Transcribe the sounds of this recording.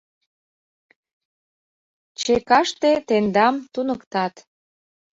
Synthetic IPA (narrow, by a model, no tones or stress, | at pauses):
t͡ɕekɑʃt̪et̪end̪ɑmt̪unəkt̪ɑt̪